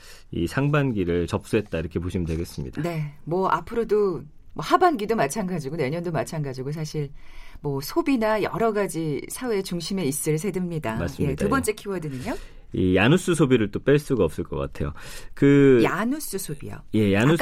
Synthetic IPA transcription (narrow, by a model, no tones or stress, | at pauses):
ḭsʰaŋbanɡiɾɯɭt͡ɕʌp̚s͈uɦet̚t͈aiɾʌkʰe̞poɕʰimɯndwe̞ɡe̞s͈ɯmɲḭd̥ane̞mwʌʔa̰pʰɯɾodo | mwʌhabanɡidomat͡ɕʰanɡad͡ʑiɡone̞ɲʌndomat͡ɕʰanɡad͡ʑiɡos̬ʰaɕʰiɭmwʌsʰobinajʌ̰ɾʌɡad͡ʑisʰawe̞ːt͡ɕuŋɕʰime̞is͈ɯɭsʰe̞dɯmɲidamas͈ɯjme̞tubʌnt͡ɕ͈e̞kʰiwʌdɯnɯɲo | ijanus͈usʰobiɾɯɭt͈op͈eɭs͈uɡaʌp̚s͈ɯɭk͈ʌk͈a̰tʰe̞jo̰kɯjanus͈usʰobḭjo̰je̞janu